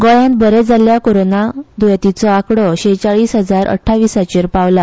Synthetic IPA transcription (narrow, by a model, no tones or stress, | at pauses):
ɡɔɭãnt̪̚bəɾɛd͡zaljakoɾonad̪ujat̪it͡sɔakɽɔɕet͡ɕaɭiːsɦəd͡zaɾʔə̰ʈʰːaʋiːsat͡ɕiɾpaʋla